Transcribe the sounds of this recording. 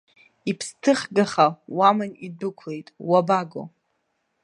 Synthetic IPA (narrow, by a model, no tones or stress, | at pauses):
ipʰstʰɨχɡaχawamanidɨkʷʰle̞jtʼwabaɡo̰